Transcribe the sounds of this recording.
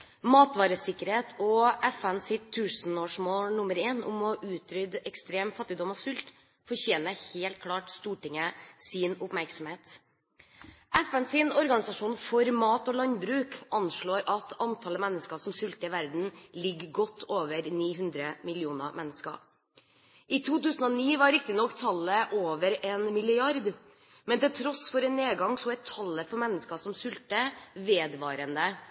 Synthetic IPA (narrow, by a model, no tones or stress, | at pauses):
mɑːt̪ʋɑːɾəsɪkːəɾheːt̪ʰɔʔɛfɛnsɪt̪ʰːʉːsnoːʂmoːlnʊməɾeːnʊ̰mɔʔʉːt̪ʰɾʏd̪ɛkst̪ɾeːmfɑt̪ːɪd̪ɔmɔsʉlt̪ | fɔɾçeːnəheːlt̪̚kʰlɑːʈst̪uːʈɪŋːəsɪnʊpmæɾksɔmheːt̪ | ʔɛfɛnsɪnɔɾɡɑnɪsɑʂuːnfɔɾmɑːt̪ɔːlɑnbɾʉːkʔɑnʂɭoːɾʔɑt̪ʰɑnt̪ʰɑlːəmɛnːəskɑsɔmsʏlt̪əɪʋæɾd̪n̩lɪɡɡɔt̪ʰːoːʋəɾniːɦʉnd̪ɾəmɪlɪuːnə̰mʔɛnːəskɑ̰ | ʔiːt̪ʰuːt̪ʉːsn̩ɔniːʋɑɾɾɪk̚t̪ɪnɔkːt̪ʰɑlːəʔoːʋəɾeːnmɪlɪɑɾd̪ | mɛnt̪ɪlt̪ʰɾɔsfɔɾɛnːeːɡɑŋsɔɛt̪ʰːɑlːəfɔɾmɛnːəskɑsɔmsʏlt̪əʋeːd̪ʋɑːɾənə